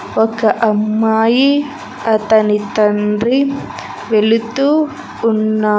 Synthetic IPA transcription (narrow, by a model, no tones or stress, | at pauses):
ɔkɐʔɐmːaːji | ɐt̪ɐnit̪ɐnɾi | ʋelut̪ːuː | nːa